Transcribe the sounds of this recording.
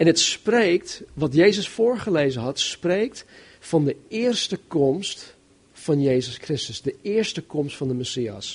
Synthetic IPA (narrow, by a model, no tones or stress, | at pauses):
ɛnətsprek̚tʋɑtjeːzəsfʊːɹχəleːzənɦɑtspreːk̚t | fɑndəɪːrstəkɔmst | fɑnjeːzəskrɪstəsdəɪəɹstəkɔmstfɑndəmɛsiːa̰s